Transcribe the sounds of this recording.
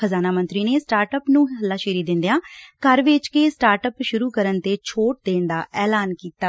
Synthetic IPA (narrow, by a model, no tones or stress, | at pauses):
əzaːnaːmə̃nt̪ɾiːneːsʈaːɾʈəpnũːɦəlːaːʃeːɾiːd̪ɪ̃nd̪ejãːkəɾʋɪt͡ʃkeːsʈaːɾʈəpʃʊɾuːkəɾənt̪eːt͡ʃʰoːʈ̚d̪ẽːnd̪aːʔɛːlaːnkiːt̪aː